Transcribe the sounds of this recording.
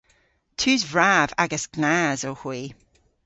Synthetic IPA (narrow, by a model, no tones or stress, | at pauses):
tʰʉːzvɹavaɡəsɡ̥nazəhwiː